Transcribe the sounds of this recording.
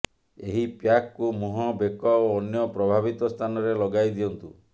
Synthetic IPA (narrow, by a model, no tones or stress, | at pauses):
eɦipjakkːumuɦɔbekɔoːnjɔpɾɔbʱabit̪ɔst̪ʰanɔɾelɔɡajd̪iɔnt̪u